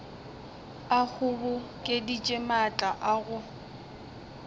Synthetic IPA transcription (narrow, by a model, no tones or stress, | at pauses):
ak͡xʰʊbʊkʼedit͡ʃʼɪmat͡ɬʼaʔaɣʊ